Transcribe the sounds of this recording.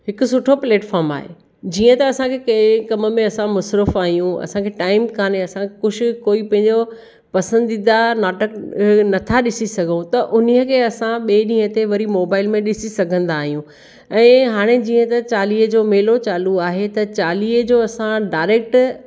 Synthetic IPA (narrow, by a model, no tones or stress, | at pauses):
ɦɪkʊ̆sʊʈʰopleːʈfaːɾma̰ːɦḛː | d͡ʑiːə̃t̪ɐːsãkʰekɐ̃kɐmə̆mẽɐsãmʊsɾəfaːɦijũɐ̰sãkʰeʈaːɪmkʰaːneɐsãkʊd͡ʑʰʱɪkoːipɐ̃ɦɪ̃ɲd͡ʑo | pɐsə̃nd̪id̪anaːʈəknɐt̪ʰaɗɪsisɐɡʱũt̪ɐʔʊniəkʰeːɐsãɓeːɗĩːə̃t̪eʋɐɾimoːbaːɪlmẽɗɪsisɐɡʱə̃nd̪aːɦijũ | ɛ̃ːɦaːɽ̃ed͡ʑiːə̃t̪ɐt͡ɕaːliːəd͡ʑoːmeːlot͡ɕaːluaːɦet̪ɐt͡ɕaːliːəd͡ʑoːɐsãɖaːɪɾeːk̚ʈ